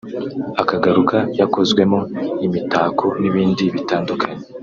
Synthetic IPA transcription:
akaɡaɾukajako̞zɡwe̞moimitaːkʰoniβiːndiβitaːndukʰaɲe

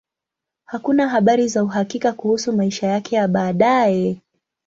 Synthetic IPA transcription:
hakunaɦaɓaɾizauɦakikakuhusumaiʃajakɛjaɓaːɗajɛ

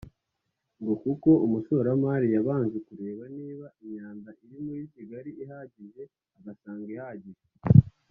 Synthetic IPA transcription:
ŋɡo̞kuko̞umuʃo̞ɾamaːɾijaβaːnzekuɾe̞ːβaniːβaiɲaːndaʔiɾimujisiɡaɾiiɦaːɟiʒe̞ | aɡasaːŋɡihaːɟiʒe

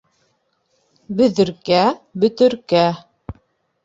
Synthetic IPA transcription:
bɵ̆ðɘ̆ɾkæbɵ̆t̪ɘ̆ɾkæ

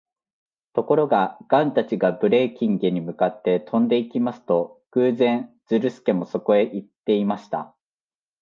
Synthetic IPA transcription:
t̪o̞ko̞ɾo̞ɡaɡ̥ãnt̪at͡ɕiɡabɯ̟ɾe̞ːkʲĩŋɡeɲ̟imɯ̟kat̪ːe̞t̪ʰõ̞nd̪e̞ikʲimasɨ̥t̪o̞ɡ̥ɯːzẽ̞n | d͡zɨɾɯ̟sɨ̥ke̞mo̞so̞ko̞e̞ʔit̪ːe̞imaɕi̥t̪a̰

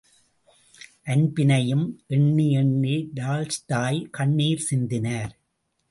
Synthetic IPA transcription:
ʔɐnbɪnɐjɯmʔɛɳːiɛɳːiɖ̪aːlst̪aːjkɐɳːiːɾsɪnd̪ɪnaːɾ

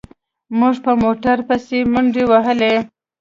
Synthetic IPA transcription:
muʐpəmoʈaɾpəsemʊɳɖewaɦəle

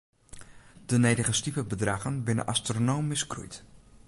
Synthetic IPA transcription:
d̥ənejdəɣəstipəbədraɣənbɪnə̰nʔa̰stronowmiskrṵjt

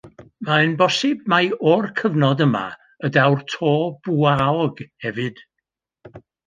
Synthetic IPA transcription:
maənbɔsɪb̚majɔrkʰəvnɔdəma̰ | ədawrtʰoːb̥uaɔɡhɛvɨd̥

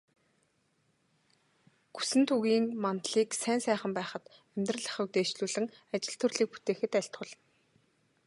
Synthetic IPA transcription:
ɡ̥u̥sɘ̆nt̪ʰuɣiːŋmant̪ɮiːksæːnsæːχə̆mpæːχə̆t̪æmʲt̪rə̆ɮə̆χuk̚t̪eːt͡ɕɮuːɮɘ̆ŋat͡ɕɪ̆ɬt̪ʰɵrɮiːk̚pu̥t̪eːxɘ̆t̪æɬt̪χʊ̆ɮə̆n

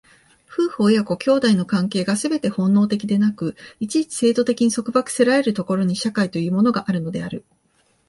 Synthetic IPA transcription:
ɸɯ̟ːho̞ːjako̞kʲo̞ːd̪aino̞kãŋke̞ːɡasɨbe̞t̪e̞hõ̞nːo̞ːt̪e̞kʲid̪e̞nakɯ̟it͡ɕit͡ɕi̥se̞ːt̪o̞t̪e̞kʲiɲ̟iso̞kɯ̟bakɯ̟̥se̞ɾaɾe̞ɾɯ̟t̪o̞ko̞ɾo̞ɲ̟iɕakait̪o̞jɯ̟ːmo̞no̞ɡaʔaɾɯ̟no̞d̪e̞aɾɯ̟

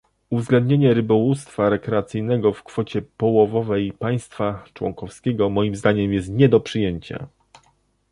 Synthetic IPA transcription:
uvzɡlɛ̃nd̪̚ʲɲeɲɛɾɘbɔwust̪faɾɛkɾɛat̪sɘjnɛɡɔfkfɔt͡ɕɛpɔwɔvɔvɛjpaj̃st̪fat͡ʂwɔ̰ŋkɔfskʲɛɡɔmɔjimzd̪aɲɛmjɛst̪ɲɛd̪ɔpʂɘjeɲt͡ɕa̰

